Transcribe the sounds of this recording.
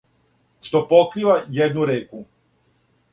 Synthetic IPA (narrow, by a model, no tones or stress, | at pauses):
ʃt̪opokɾiʋajed̪nuɾeːku